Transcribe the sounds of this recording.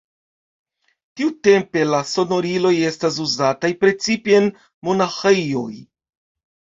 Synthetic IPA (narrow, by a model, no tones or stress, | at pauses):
tiute̞mpe̞laso̞no̞ɾilo̞je̞stas̬uzatajpɾe̞t͡sipeen | mo̞naxejo̞̰j